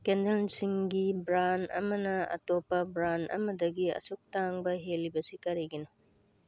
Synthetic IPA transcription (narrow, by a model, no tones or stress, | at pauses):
kendelsiŋɡibɾanɐ̰mɐnɐɐ̰topːɐbɾanʔɐ̰mɐdɐɡiɐ̰suk̚taŋbɐɦelːibɐsikɐɾiɡino